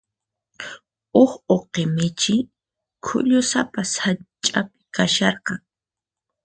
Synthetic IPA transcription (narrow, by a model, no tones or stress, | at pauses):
ʊχoqemɪt͡ʃɪ | kʰʊ̰ʎʊsapashat͡ʃʼapɪ̥kaʃɑɾqɑŋ